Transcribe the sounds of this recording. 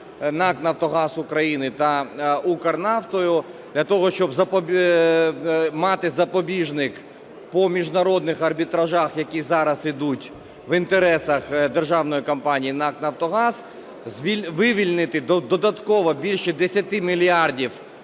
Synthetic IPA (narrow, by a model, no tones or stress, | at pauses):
nɑknɐwt̪ɔɦɑsʊkɾɐjinɪt̪ɐukɐrnɑft̪ɔjʊ | d̪̥lʲɐt̪ɔɦɔʃt͡ʃɔbzɐpɔ | mɑt̪ɪzɐpɔbʲiʒnɪk | pɔmʲiʒnɐɾɔd̪nɪxɐrbʲit̪ɾɐʒɑxjɐkʲizɑɾɐzid̪utʲ | ʋint̪eɾɛsɐxd̪erʒɑwnɔjikɐmpɑnʲijinɑknɐwt̪ɔɦɑz | zʋʲiʋɪʋʲilʲnɪt̪ɪd̪d̪ɔd̪ɐt̪kɔʋɔbʲilʲʃɛd̪esʲɐt̪ɪmʲilʲjaɑrdʲiw